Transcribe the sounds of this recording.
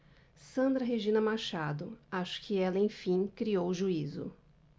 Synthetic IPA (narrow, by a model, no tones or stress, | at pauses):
sɐ̃nd̪ɾɐɦeʒĩnɐmaʃad̪ʊaʃʊ̥kɪɛlɐẽj̃fĩkɾiowʒuizʊ̰